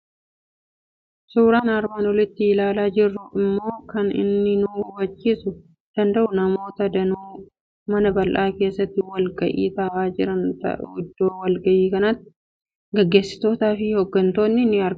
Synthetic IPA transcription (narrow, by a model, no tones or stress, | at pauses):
suːɾaːnɐɾbaːnɔlɪt̪ːɪɪlaːlaːd͡ʒɪrːʊʔɪmːo̞ːkɐnɪ̰nːɪnuwɐt͡ʃːiːsʊ | d̪̥ɐnd̪ɐʔʊnɐmo̞ːt̪ɐd̪ɐnuː | mɐnɐbɐlʔaːke̞ːsːɐt̪ːɪwɐlɡɐʔḭːt̪ɐːʔaːd͡ʒɪɾɐnt̪ɐ̰ʊd̪ːoːwɐlɡɐʔiːkɐnɐt̪ːɪ̥ | ɡɛɡːe̞ːsːɪ̥t̪o̞ːt̪aːfɪhɔɡːɐnt̪o̞ːnːɪnːɪɐɾ